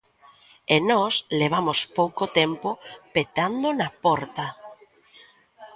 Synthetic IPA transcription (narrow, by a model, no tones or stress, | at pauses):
enɔsleβ̞amospowkot̪empopet̪and̪onapɔɾt̪a